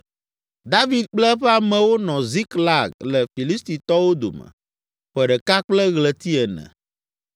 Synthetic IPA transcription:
d̪a˦vi˨d̪̚k͡plɛ˦ɸɛ˦a˨mɛ̃˨wo˦nɔ̃˨zi˦kla˨ɡlɛ˨fi˨li˦st̪i˨t̪ɔ˦wo˦d̪o̰˨mɛ̰̃˨ | ɸɛ˨ɖɛ˨ka˦k͡plɛ˦ɣlɛ˨t̪i˦ɛ˨nɛ̰̃˨

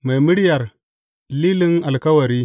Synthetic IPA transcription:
ma˨jmɨ˦ɽjɐ˨ɾ | liː˦li˦ŋa˨lkɐ˦wɐ˨ɾiː˦

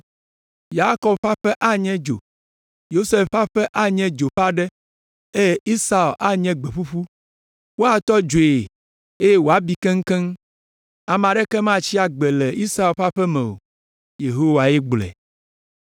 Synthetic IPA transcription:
ja˦kɔ˨bɸa˦ɸɛ˦ʔa˦ɲɛ̃˦d͡ʒo̰˨ | jo˦se˦fɸa˦ɸɛ˦ʔa˦ɲɛ̃˦d͡ʒo˨ɸa˦ɖɛ˦ | e˦i˦sa˦˨lʔa˦ɲɛ̃˦ɡ͡be˨ɸu˦ɸu˦ | wo˦a˨t̪ɔ˦d͡ʒo˨e˨ | e˦je˦wo˨a˦bi˦kɛ˦ŋ̩˦kɛ˦ŋ | a˨m̃˨ã˨ɖɛ˦kɛ˦mã˦t͡ɕi˦a˨ɡ͡bɛ˨lɛ˨i˦sa˦˨lɸa˦ɸɛ˦mɛ̃˨o̰˨ | je˨ɦo˦wa˨ɛ˦ɡ͡blɛ̰˨

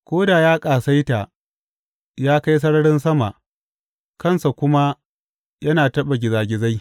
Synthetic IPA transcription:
kʷoː˦da˨jaː˦kʼaː˨sa˦jta˨ | jaː˦ka˦js̬ɐ˦ɽɐ˦ɽɪ˦nsɐ˦ma˨ʔ | kɐ˦˨nsa˨kʷʊ˦ma˦ | jɐ˦naː˨tɐ˦ɓa˨ɡʲɪ˨zaː˨ɡʲɪ˨za˦j

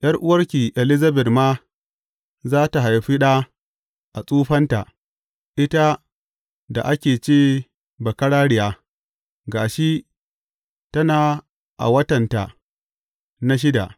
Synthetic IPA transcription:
j̰ʔɐ˦rʔʊ˦wɐ˦rkʲiː˨ʔɛ˨lɪ˦zɐ˦bɛ˨tmaː˦ | zaː˦ta˨ɦa˨jɸi˦ɗaː˦ | ʔa˨sʼuː˦ɸɐ˦nta̰˨ʔ | ʔɪ˦ta˦ | da˨ʔa˦kʲeː˨t͡ʃeː˦ | bɐ˨kɐ˦ɽaː˦ɽɪ˨jaː˦ | ɡaː˨ʃi˦ʔ | tɐ˦naː˨ | ʔa̰˨wɐ˦tɐ˨nta̰˨ | na˦ʃ̬ɪ˦da̰˨ʔ

